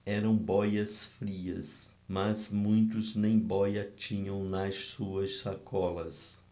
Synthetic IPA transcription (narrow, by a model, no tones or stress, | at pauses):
ɛɾɐ̃w̃bɔjɐsfɾiɐ̰s | mɐzmũj̃t̪ʊznẽj̃bɔjɐt͡ʃĩɲɐ̃w̃nɐssuɐsʃakʰɔlɐs